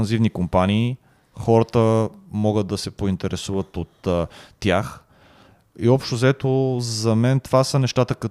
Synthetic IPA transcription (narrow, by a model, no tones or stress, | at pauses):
ɐnzivnikompaniː | xɔɾət̪əmɔɡəd̪̚d̪ɐsɛpoint̪ɛɾɛsuvət̪ot̪ːjax | iɔpʃt̪ozɛt̪ozɐmɛnt̪vasənɛʃt̪at̪əkɐ